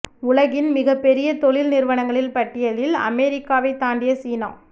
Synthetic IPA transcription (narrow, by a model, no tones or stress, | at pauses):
ʊɭɐɣɪnmɪɣɐpːɛɾɪjɐt̪ɔɭɪlnɪɾʋɐɳɐŋɡɐɭɪlpɐʈːɪjɐlɪlɐ̰mɛːɾɪkːaːʋɐɪt̪aːɳɖɪjɐsiːnã̰ː